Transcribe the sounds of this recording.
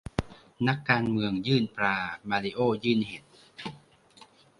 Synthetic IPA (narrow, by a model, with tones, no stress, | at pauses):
na˦˥kːaː˧nmɯ˧əŋjɯː˥˩npɾaː˧maː˧li˧ʔoː˥˩jɯː˥˩nhe˨˦t̪̚